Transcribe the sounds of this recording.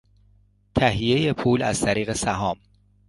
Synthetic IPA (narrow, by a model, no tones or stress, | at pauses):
t̪ʰæɦijeje̞pʰuːlæ̰z̥t̪ʰæɾiːɣe̞sæɦɒːm